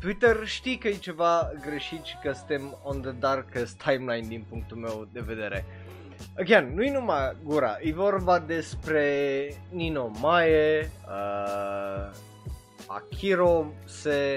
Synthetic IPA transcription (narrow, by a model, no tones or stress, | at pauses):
t̪uit̪ərʃt̪ijkəjjt͡ʃe̞vaɡɾe̞ʃit̪sʲkəsɨ̥nt̪emond̪əd̪arkəst̪ʰajmlajnd̪inpuŋk̚t̪ulme̞wd̪e̞ve̞d̪e̞ɾe̞̰ | əkʲeanːujnumaɡuɾa̰əjvo̞rbad̪e̞spɾe̞nino̞majeə | a̰kʲʰiɾo | se